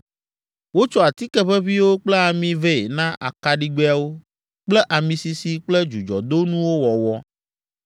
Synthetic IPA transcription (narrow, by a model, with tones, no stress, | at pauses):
wo˦t͡ʃɔ˦a˨t̪i˦kɛ˦ɸɛ˦βi˦wo˦k͡plɛ˦a˨mĩ˨vɛ˦˨e˨nã˦ʔa̰˨ka˨ɖi˦ɡ͡be˦a˨wo˦ | k͡plɛ˦ʔa˨mĩ˨si˨si˨k͡plɛ˦d͡ʒu˨d͡ʒɔ̰˨d̪o˦nũ˦wo˦wɔ˨wɔ˦